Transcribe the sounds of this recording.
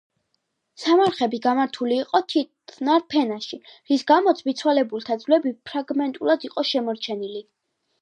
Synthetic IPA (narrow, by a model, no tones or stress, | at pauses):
samaɾχɛbiɡamaɾt̪ʰuliːqʼɔt̪ʰit̪ʰnaɾpʰɛnaʃiɾisɡamɔt̪sʰvit̪sʰwalɛbulˠt̪ʰad̪zlɛbipʰɾaɡmɛnt̪ʼulad̪iqʼɔʃɛmɔɾt͡ʃʰɛnili